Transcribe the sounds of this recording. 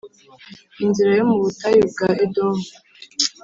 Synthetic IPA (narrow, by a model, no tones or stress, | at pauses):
inziɾajomuβutajubɡaʔedomo